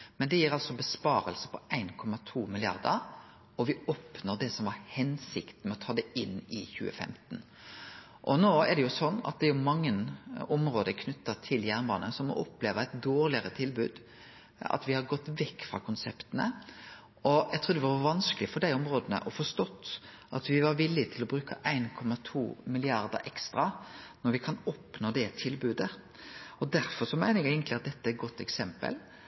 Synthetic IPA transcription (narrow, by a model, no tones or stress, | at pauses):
mɛnd̪ɛjiːɾɑlsɔbəspɑːɾəlsə̥pʰɔæɪnkʰɔmɑt̪ʰuːmɪlɪɑ̰ɾd̪əɾ | ɔʋɪɔːpnoʁd̪ɛsɔmʋɑɾhɛnsɪkt̪n̩mɛɔt̪ʰɑːd̪ɛɪnːɪçʉ̰ːə̰fɛ̰mt̪n̩ | ʔɔnoːɛɖ̪ɛjʊsɔnːɑ̰t̪̚d̪ɛjʊmɑŋːənɔmɾoːd̪əkʰnʉt̪ːət̪ʰɪljæʁnbɑːnənsɔmɔ̰ʔɔpleːʋəæɪt̪̚d̪oːɾlɪəɾət̪ʰɪlbʉːd̪ | ɑ̰t̪ʋɪhɑɾɡɔt̪ːʋɛkːfɾɑ̰ːkʰʊnsɛpt̪ənə̰ | ʔɔjæɪt̪ʰɾʉːd̪ʋɑʋɑnskəlɪfɔɖ̪æɪɔmɾoːd̪ənə̰ʔɔfɔʂt̪ɔt̪ː | ʔɑt̪ʋɪʋɑɾʋɪlːɪt̪ʰɪlɔbɾʉːkʰə̰ʔæɪnkʰɔmɑt̪ʰuːmɪlɪɑɾd̪ə̰ɾʔɛkst̪ɾɑnɔɾʋɪkʰɑnɔpnoːd̪ɛt̪ʰɪlbʉːd̪ə | ɔd̪æɾfɔɾʂɔmæɪəɛɡeɪɡənt̪lɪɑt̪̚d̪ɛt̪ːəæɾt̪̚ɡɔt̪ːɛksɛmpə̰l